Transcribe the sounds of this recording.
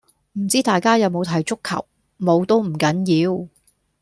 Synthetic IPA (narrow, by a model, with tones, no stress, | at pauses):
m̩˨˩t͡siː˥t̪aː˨jkaː˥jɐ˨˧wmo˨˧wt̪ʰɐ˨˩jt͡ʃʊ˥kʰːɐ̰˨˩w | mo˨˧wt̪o˥wm̩˨˩kɐ˨˥njiː˨˧w